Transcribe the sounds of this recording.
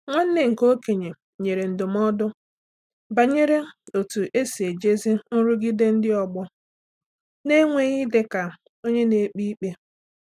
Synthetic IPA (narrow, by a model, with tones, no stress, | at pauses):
ŋʷa˦n̩˦nɪ˦ŋ̩˨ko˦ke˨ɲe˨ | ɲe˨ɾe˨n̩˨dʊ˨m˦ɔ˦dʊ˦ | ba˨ɲe˦ɾe˦o˨tu˨ʔe˦si˨e˨d͡ʒe˦zi˦n̩˦ɾu˦ɡɪ˦de˦n̩˦dɪ˦ɔ˨ɡ͡bʊ˦ | ne˦ŋʷe˨ɣi˦de˨ka˨ | o˦ɲe˦ne˨˦k͡pi˦i˦k͡pe˦